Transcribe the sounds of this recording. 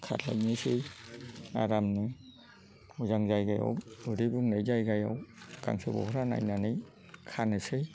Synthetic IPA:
kʰa̰t̚la̰jnɯsɯj | a̰ɾamnɯ | muzaŋzajɡaja̰wɯɾibuŋnajzajɡajawka̰ŋsɯbɔ̰hɾana̰jnanɯj | kʰanɯsɯj

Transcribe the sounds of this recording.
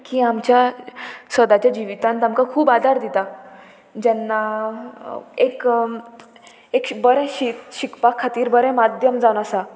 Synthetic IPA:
kiːamt͡ɕjasəd̪at͡ɕjad͡ʑiʋit̪ant̪amkakʰuːbad̪ʱaɾd̪it̪a | d͡ʑɛnːa | ek | ekbəɾɛ̃ɕit̪ɕikpakʰːat̪iːɾbəɾɛ̃mad̪ʱjəmd͡zawnasa

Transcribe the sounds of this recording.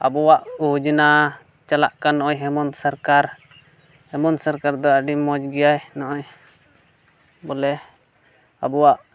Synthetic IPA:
a̰bɔwaʔud͡ʒina | t͡ʃala̰ʔkanɔʔɔɲɦɛmɔnsaɾkaɾ | hɛmɔnsaɾkaɾd̪ɔaɖimɔd͡ʒɡɛjajnɔʔɔɲ | bɔlɛ | a̰bɔwaʔ

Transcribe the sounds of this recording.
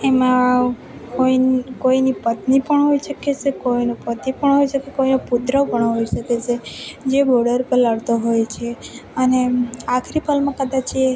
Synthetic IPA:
emã | koikoinipət̪nipəɳɦojʃəket͡ʃʰekoinopət̪ipəɳɦojʃəkekoinopud̪ɾəpəɳɦojʃəket͡ʃʰed͡ʒeboɾɖəɾpəlaɽt̪oɦojt͡ʃʰeəneakʰɾipʰəlmãkəd̪at͡ʃʰie

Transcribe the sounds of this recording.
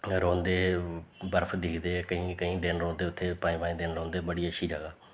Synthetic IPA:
ɾõːnd̪eːbəɾpʰd̪ɪːkʰd̪eːkəĩːkəĩːd̪ɪnɾõːnd̪eːʊt̪ʰːeːpãːĩːpaːĩːd̪ɪnɾõːnd̪eːbəɽiːəʃʰiːd͡ʒəɡaː

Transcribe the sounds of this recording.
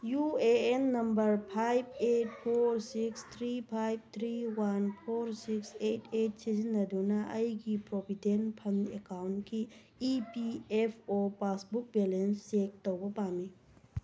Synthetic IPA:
jueenːɐmbɐɾpʰajb̚et̚pʰoɾsikst̪ʰɾipʰajb̚t̪ʰɾiwanpʰoɾsiksetʰet̚sizinːɐdunɐʔɐjɡipɾobʱidenpʰɐnḛkawntkiː | piepʰopasbuk̚belensːek̚towbɐpami

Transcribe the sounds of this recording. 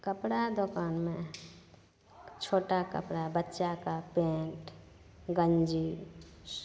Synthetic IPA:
kəpɽad̪okanmẽ | t͡ʃʰoːʈakə̰pɽabətːʃakapẽʈ | ɡənd͡ʒi

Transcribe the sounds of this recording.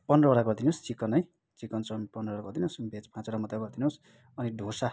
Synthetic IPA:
pʌnrʌoɾaɡʌrd̪inost͡sikːʌnʌj | t͡sikʌnsʌmpʌnrʌoɽaɡʌrd̪inosbʱet͡spãt͡solamʌd̪aɡʌrd̪inos | ʌniɖʱosa

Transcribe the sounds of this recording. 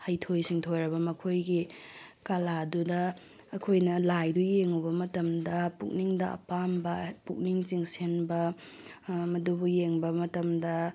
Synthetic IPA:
hɐjtʰojsiŋtʰojɾɐbɐmɐkʰojɡikɐladudɐː | kʰojnɐlajdujeŋubɐmɐtɐmdɐpuk̚niŋdɐɐ̰pambɐpuk̚niŋt͡ʃiŋsenbɐ | mɐdubujeŋbɐmɐtɐmdɐ

